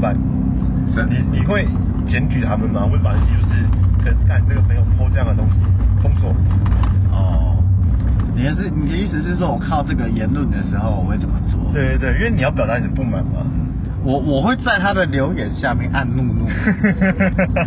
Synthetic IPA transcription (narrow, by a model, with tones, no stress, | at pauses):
ba˨˩n | ʂə˨˩ni˨˩ni˨˩xwe˥˨˩ɪ | t͡ɕjɛ˧˥nt͡ɕy˨t̪ʰa˦˥mə˨nma˨we˥˩ɪpa˨˩ni˨˩t͡ɕjo˥˧ʊʂɻ̩˥˩kʰə˧˨˩ka˥˧ɪt͡sə˥˩ɡə˨˩me˧˥ɪjo˨˩ʊpʰo˥˧ʈ͡ʂɤ˥˧jɑ˥˩ŋd̪ə˨˩t̪ʊ˥ŋɕi˨t̪ʰʊ˥ŋsɔ˥˩ | ɔ˥˩ | ni˨˩a˥˩˥ni˨˩k̪ə˧˦i˥˩ʂɻ̩˧˥ʂ̬ɻ̩˥˧ʂ̬wɔ˥wɔ˨˩kʰɑ˥˧ʊʈ͡ʂɤ˥˩ɡə˨jɛ˨˦˥nlu˥˩nd̪ə˩ʂɻ̩˧˥xo˥˧ʊwɔ˨˩we˥˩ɪt͡sə˨˩nmə˦t͡swɔ̰˥˨t̪we˥˧ɪt̪we˥˧y˥wɛ˥˩ni˨jpjʊt̪a˥˩˨pu˥˩ma̰˨˩nma̰˨˦ | wɔ˨˩wɔ˨˩xwe˥˧ɪt͡sa˥˩ɪt̪ʰa˦˥d̪ə˨ljo˧˥ʊjɛ˨˩˦nɕja˥˧mjɛ˥˧ŋʔa˥˧nnu˥˧nu˥˨